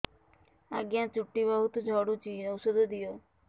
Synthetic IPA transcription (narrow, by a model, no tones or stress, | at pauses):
aɡijãt͡ʃuʈːibɔɦut̪od͡ʒʱɔɽut͡ʃinowsod̪od̪ijo